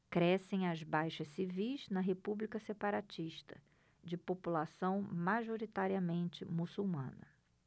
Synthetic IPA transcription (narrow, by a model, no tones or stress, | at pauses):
kɾɛsẽj̃ɐzbajʃɐsivijznɐɦepublikɐsepaɾat͡ʃiʃt̪ɐ̰ | d͡ʒɪpopulasɐ̃w̃maʒoɾit̪aɾiɐmẽnt͡ʃɪmusuwmɐ̰̃nɐ